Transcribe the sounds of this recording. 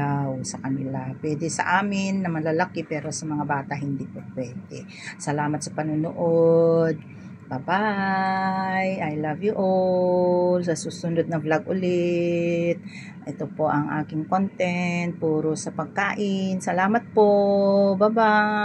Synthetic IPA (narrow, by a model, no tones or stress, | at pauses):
awsɐkɐnɪlapwɛd̪ɛsɐ̰ʔaːmɪnːɐmɐlalakɪpɛːɾo̞sɐmɐŋabaːt̪ɐɦɪnd̪ipopwɛːd̪ɛ | sɐlaːmɐt̪̚sɐpɐnʊnʊʔod̪̚ | baba | jʔajlavjʊʔo | lsɐsuːsʊnd̪od̪̚nɐblɐɡ̚ʔʊlɪ | t̪̚ | ʔɛt̪opo̞ʔɐŋʔa̰ːkɪŋkont̪ɛnt̪̚puːɾosɐpɐɡ̚kaːʔɪnsɐlaːmɐt̪̚pobaba